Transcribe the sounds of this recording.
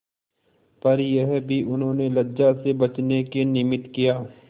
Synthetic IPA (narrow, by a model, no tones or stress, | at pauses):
pɐɾjeɦbʱiʔʊnɦõːnelɐd͡ʒasebɐt͡ʃnekenɪmɪt̪kijaː